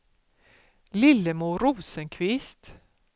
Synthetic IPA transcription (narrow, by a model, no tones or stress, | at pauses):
lɪlːəmuːɾuːsənkʰvɪst̪